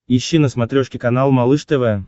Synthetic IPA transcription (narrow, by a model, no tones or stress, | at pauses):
iɕːinəsmat̪ɾʲoʂkʲɪkanalˠmalˠɨʂt̪ɛvɛ